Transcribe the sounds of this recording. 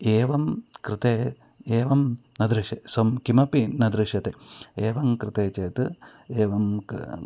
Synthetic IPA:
eːʋɐmkɾɨt̪eː | eːʋɐmnɐd̪ɾɨʃesɐmkimɐpinɐd̪ɾɨʂɐt̪eeːʋɐmkɾɨt̪eːt͡ʃeːt̪ɨ | eːʋɐm

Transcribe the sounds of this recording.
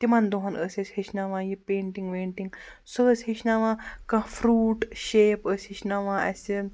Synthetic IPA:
t̪imand̪oɦɐnəset͡shiʃnaʋãjipẽːɳʈiŋɡʋeːɳʈiŋɡ | səshiʃnaʋãkãfɾuːʈɕeːpəsʲiʃnaʋãɛ̰se

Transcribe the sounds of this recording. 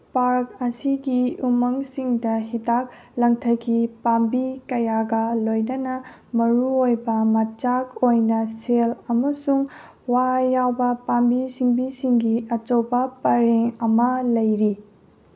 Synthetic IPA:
paɾkɐsiɡiumɐŋsiŋdɐɦitak̚ | lɐŋtʰɐɡipambikɐjaɡɐlojnɐnɐ | mɐɾuojbɐmɐt͡ʃakojnɐselɐmɐsuŋ | wajawbɐpambisiŋbisiŋɡiɐt͡ʃowbɐpɐɾeŋɐmɐlɐjɾi

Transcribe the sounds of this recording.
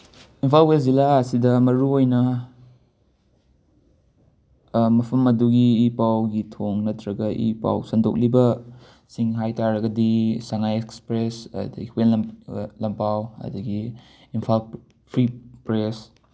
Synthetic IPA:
impʰalwelzilaɐsidɐmɐɾuojnɐ | mɐpʰɐmɐduɡiːpawɡitʰoŋnɐtʰɾɐɡɐʔḭpa̰wsɐndo̰k̚libɐ | siŋɦajtaɾɐɡɐdisaŋajekspɾesɐ̰dɐɡiwenlɐmpawɐ̰duɡiː | npʰal | pʰɾipɾes

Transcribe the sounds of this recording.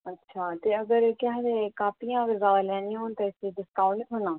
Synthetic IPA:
ətːʃʰaːt̪eːəɡəɾkɪɦd̪eːkaːpijãːəɡəɾzaːd̪aːlɛːnĩãɦoːnt̪aːɪseːɖɪskaːuɳikɦʊnaː

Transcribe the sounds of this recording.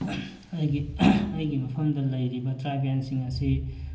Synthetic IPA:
ɐjɡiɐjɡimɐpʰɐmd̪ɐlɐjɾibɐtɾabjansiŋɐsi

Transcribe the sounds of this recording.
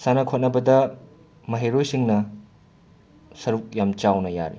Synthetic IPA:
sanɐkʰot̚nɐbɐdɐ | mɐɦeɾojsiŋnɐ | sɐɾuk̚jamt͡ʃawnɐja̰ɾḭ

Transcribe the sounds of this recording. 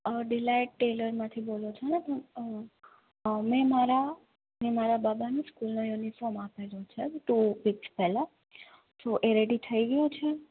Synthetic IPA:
ɖilaiʈʈeləɾmãt̪ʰibolot͡ʃʰenepə | mɛ̃maɾa | nemaɾababanũskulnojunifɔɾmapelõt͡ʃʰeʈuʋikspɛla | soʔeɾeɽit̪ʰəiɡəjõt͡ʃʰe

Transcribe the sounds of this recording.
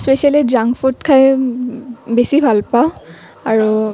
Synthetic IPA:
spesializaŋfutkʰaj | besibʱalpaʊ̃ | aɹu

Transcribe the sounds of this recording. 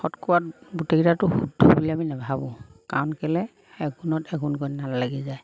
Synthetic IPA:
xɔtkɔwat̚buteɡitatʊxudʱɔbuliaminabʱabɔ̃kaɔnkɛlɛ | ɛɡʱunɔtɛɡunkɔjnallaɡizaj

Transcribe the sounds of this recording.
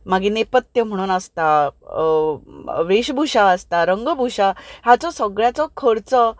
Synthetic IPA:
maɡinepət̪jəm̤əɽ̃uːnəst̪a | ʋeɕbʱuɕaəst̪aɾəŋɡəbʱuɕaɦjat͡sɔsəɡɭjat͡sɔkʰəɾt͡sə

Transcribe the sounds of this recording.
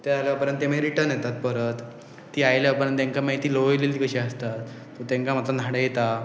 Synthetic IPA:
t̪ealjʋapəɾənt̪ːem̤aeɾiʈəɾnjet̪at̪̚pəɾət̪ː | iːajljaapəɾənt̪jẽŋkamaɦit̪iːloʋjlelt̪iːkəɕiəst̪at̪ː | ɔt̪ãŋkamat̪lanʱaɽejet̪a

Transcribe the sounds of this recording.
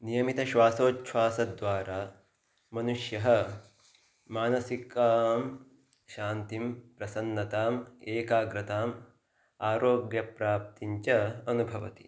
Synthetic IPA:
nijɐmit̪ɐʃʋaːsoːtʃʰʋaːsɐd̪ʋaːɾaː | mɐnuʃjɐɦɐ̆ | maːnɐsikaːm | ʃaːnt̪impɾɐsɐnːɐt̪aːmeːkaːɡɾɐt̪aːm | aːɾoːɡjɐpɾaːp̚t̪iɲt͡ʃɐɐnubʱɐʋɐ̰t̪i̥

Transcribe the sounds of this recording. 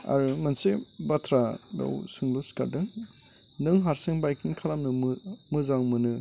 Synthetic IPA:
a̰ɾɯmɯnsebatʰɾada̰wsɯŋlɔska̰ɾdɯŋ | nɯŋɦaɾsɯŋbajkiŋkʰalamnɯmmɯzaŋmɯnɯ

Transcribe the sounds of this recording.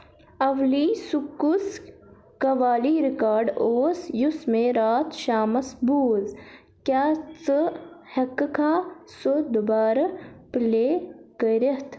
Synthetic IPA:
ɐʋliːsukːus | kɐʋaːliːɾɪkaːɾɖoːsjusmẽɾaːt̪ʃaːmɐsbuːz | kjaːt͡səhɐkːkʰaːsod̪ʊbaːɾɐpleːkəɾɐɦt̪ʰ

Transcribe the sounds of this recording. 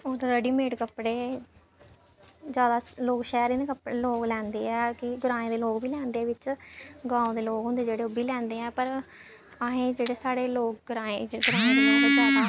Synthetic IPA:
oːɾɾəɖiːmeːʈkəpːɽeː | d͡ʒjaːd̪aːloːkʃɛːɾiːneːkəpɽeːloːklɛ̃ːnd̪eːɛːkɪɡʊɾaːẽːd̪eːloːkbʱiːlɛ̃ːnd̪eːʋɪt͡ʃɡãːõːd̪eːloːkɦʊ̃nd̪eːd͡ʒeːɽeːobiːlɛ̃ːnd̪eːɛ̃ːpəɾ | aɦẽːd͡ʒeːɽeːsaːɽeːloːk̚ɡɾaːeɡʊɾaːẽːd̪eːloːɡeːd͡ʒaːaː

